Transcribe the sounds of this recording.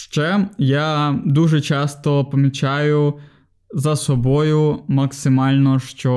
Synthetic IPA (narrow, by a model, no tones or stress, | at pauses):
ʃt͡ʃɛjad̪uʒɛt͡ʃɑst̪ɔpɐmʲit͡ʃɑjʊ | zɐsɔbɔjʊmɐksɪmɑlʲnɔʃt͡ʃɔ